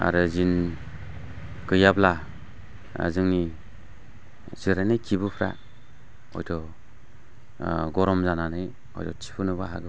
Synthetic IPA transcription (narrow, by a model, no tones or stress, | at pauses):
a̰ɾɯzin | kɯjabla | a̰zɯŋni | ziɾanɯjkʰibɯpʰɾa̰ | ɔ̰jdɔ | ɡɔɾɔmzananɯj | ɔ̰jdɔt͡ʃi̥pʰɯnɯbaɦaɡɯ